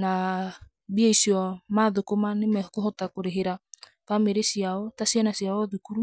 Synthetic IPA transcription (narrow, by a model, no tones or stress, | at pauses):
na | biɛisiɔmaðokomanemɛkoɦɔtakoɾeɦeɾa | fameɾesiaɔtasianasiaɔðukuɾu